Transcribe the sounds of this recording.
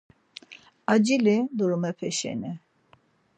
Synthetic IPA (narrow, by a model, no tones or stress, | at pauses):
ad͡ʒilid̪uɾumɛpʰɛʃɛ̰ni